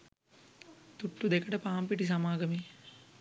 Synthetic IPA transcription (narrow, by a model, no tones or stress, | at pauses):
t̪uʈːud̪eɛkɐʈɐpaːmpiʈis̬ɐmaːɡɐmi